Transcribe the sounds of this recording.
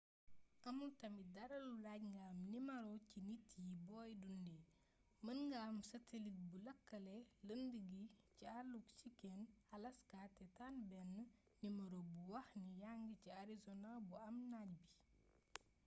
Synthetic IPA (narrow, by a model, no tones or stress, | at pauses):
ʔɐmutɐmidɐɾɐlulaɟŋɡaːmnimɐɾɔcinitːjibɔːjdundɛ | mɐnŋɡaːmsɐtelit̚bulɐkːɐlɛləndəɡicialuksikɛnɐlɐskaːtɛtanbɛnːə | nimɐɾobuwɐxnijaŋɡiciaɾizɔnalbuɐmnaːɟ̚bi